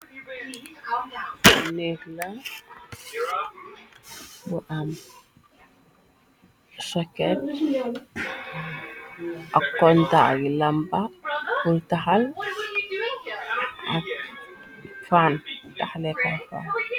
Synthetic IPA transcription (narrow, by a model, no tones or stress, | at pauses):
nekla | buʔam | sɔkɛt | ʔakːɔnta̰ɡilambafultahal | a̰ | fantaxlɛkafa̰n